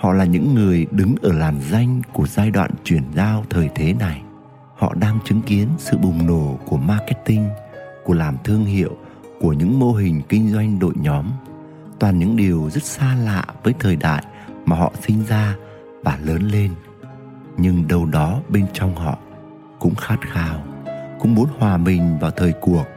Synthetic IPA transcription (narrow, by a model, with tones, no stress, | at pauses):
hɔ̰˧˨laː˨˩ɲɨ̰˧˥ŋːɨ˨˩əjɗɨ˨˦ŋʔəː˧˩laː˨˩mza˧jŋ̟ku˧˩əzaː˧jɗwa̰ː˧˨nt͡ɕwi˧˩ənzaː˧wt̪ʰəː˨˩jt̪ʰe˨˦na˨˩j | hɔ̰˧˨ɗaː˧ŋt͡ɕɨ˨˦ŋki˨˦ənsɨ̰˧˨ɓʊ˨˩ŋ͡mno˧˩ku˧˩əmaː˧kɛ˦˥t̚t̪ï˧ŋku˧˩əlaː˨˩mt̪ʰɨ˧əŋɦḭ˧˨əw | ku˧˩əɲɨ̰˧˥ŋmo˧ɦï˨˩ŋ̟kï˧ŋ̟zwa˧jŋ̟ɗo̰˧˨jɲɔ˨˦m | t̪waː˨˩nɲɨ̰˧˥ŋɗi˨˩əwzə˦˥t̚saː˧la̰ː˧˨vəː˨˦jt̪ʰəː˨˩jɗa̰ː˧˨j | maː˨˩ɦɔ̰˧˨sï˧ŋ̟zaː˧ | vaː˨˩ləː˨˦nle˧n | ɲɨ˧ŋɗə˧˩wɗɔ˨˦ɓe˧nt͡ɕɔ˧wŋ͡mhɔ̰˧˨ | kʊ̰˧˥ŋ͡mxaː˦˥t̚xaː˧wkʊ̰˧˥ŋ͡mmu˨˦ənhwaː˨˩ɓï˨˩ŋ̟vaː˨˩wt̪ʰəː˨˩jku˨˩ək̚